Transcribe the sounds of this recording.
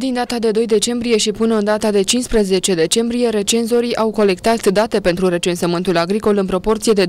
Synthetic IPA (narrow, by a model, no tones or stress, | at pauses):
d̪ind̪at̪ad̪e̞d̪o̞jd̪e̞t͡ʃe̞mbɾije̞ʃipɨnəɨnd̪at̪ad̪e̞t͡ʃinspɾeze̞t͡ʃe̞d̪e̞t͡ʃe̞mbɾije̞ɾe̞t͡ʃe̞nzo̞ɾiʔawko̞le̞kt̪at̪d̪at̪e̞pe̞nt̪ɾuɾe̞t͡ʃe̞nsəmɨnt̪ulaɡɾiko̞lɨnpɾo̞po̞rt̪sijed̪e